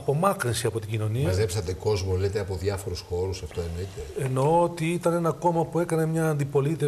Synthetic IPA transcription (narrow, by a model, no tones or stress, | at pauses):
ɐpo̞mɐkɾinsiɐpo̞t̪iɟino̞niɐɐzepsɐt̪eko̞zmolet̪eɐpoðʝɐfo̞ɾusxo̞ɾusɐft̪o̞enoit̪eeno̞ot̪iit̪ɐne̞nɐko̞mɐpue̞kɐne̞mɲɐːnd̪ipo̞lit̪i